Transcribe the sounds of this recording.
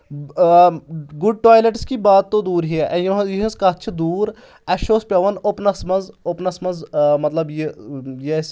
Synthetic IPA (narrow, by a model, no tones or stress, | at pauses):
ɡʊɖ̚ʈaːjleʈskiːbaːt̪ːõd̪uːɾɦiɛʔɛjɦjiɦə̃skɐt͡ʃʰd̪uːɾ | ɛʃoːspjaːʋənopnɐsmɐzopnɐsmɐnzmɐt̪ləbjejeːs